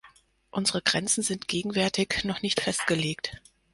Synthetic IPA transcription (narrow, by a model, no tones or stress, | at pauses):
ʔʊnzəʁəɡʁɛnt͡sn̩zɪntɡ̥eːɡŋ̩vɛɐtɪçnɔχnɪçtfɛst̚ɡ̥əleːkt